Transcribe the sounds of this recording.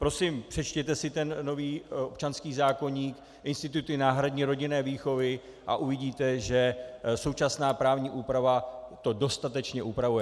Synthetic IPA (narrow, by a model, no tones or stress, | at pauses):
pɾo̞sɪmpr̝̥ɛt͡ʃcɛt̪ɛsɪt̪ɛnːo̞viːʔo̞pt͡ʃanskiːzaːko̞ɲiːk | ʔɪnst̪ɪt̪ut̪ɪnaːɦɾadɲiːɾo̞ɟɪnɛːviːxo̞vɪ | ʔa̰ʔuvɪɟiːt̪ɛʒɛso̞wt͡ʃasnaːpɾaːvɲiːʔuːpɾavat̪o̞do̞st̪at̪ɛt͡ʃɲɛʔupɾavujɛ